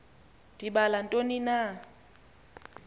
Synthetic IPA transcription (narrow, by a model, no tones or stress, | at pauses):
d̥iɓalan̩tʼonina